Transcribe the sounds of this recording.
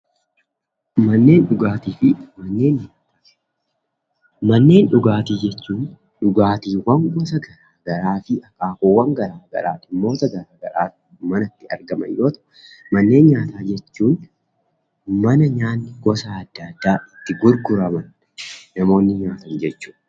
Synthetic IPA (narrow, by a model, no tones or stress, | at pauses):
mɐnːe̞ːnɗʊɡaːt̪iːfɪmɐnːe̞ːnɲaːt̪a | mɐnːe̞ːnᶑʊɡaːt̪iːd͡ʒɛt͡ʃːuːn | ᶑʊɡaːt̪iːwɐŋɡɔsɐɡɐɾaːɡɐɾaːfɪʔɐkːaːkowːɐŋɡɐɾaːɡɐ̰ɾa̰ːt̪ɪmo̞ːt̪ɐɡɐɾaːɡɐ̰ɾa̰ː | mɐnɐt̪ːɪɐ̰ɾɡɐmɐ̰njo̞ːt̪ɐ̥ | mɐnːe̞ːnɲaːt̪aːd͡ʒɛt͡ʃːuːn | mɐnɐɲaːnːɪɡɔsaɐd̪ːɐd̪ːaːʔɪt̪ːɪɡʊɾɡʊɾɐmɐn | nɐmo̞ːnːɪɲaːt̪ɐnd͡ʒɛt͡ʃːu̥ːᶑ